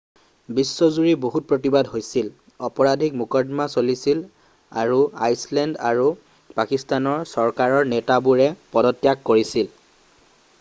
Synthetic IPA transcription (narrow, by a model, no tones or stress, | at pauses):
bisːɔzuɹiboɦut̚pɹot̬ibadɦojsil | ɔpɔɹadʱikmukɔdmasolisil | a̰ɹua̰jslɛndaɹu | pakistanɔɹsɔɹkaɹɔɹnɛtabuɹɛpɔdɔtjakːoɹisil